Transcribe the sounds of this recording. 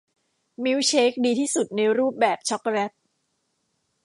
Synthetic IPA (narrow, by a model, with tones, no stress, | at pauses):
mi˦˥wt͡ɕʰeː˦˥k̚diː˧t̪ʰiː˥˩su˨˩t̪̚na˧ɾuː˥˩p̚bɛː˨˩p̚t͡ɕʰɔ˦˥k̚ɾɛ˦˥t̪̚